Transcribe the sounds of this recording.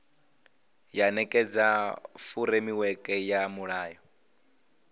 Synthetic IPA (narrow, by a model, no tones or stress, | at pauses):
janɛkʼɛd͡zafuɾemiwɛkʼɛjamuɺaːjɔ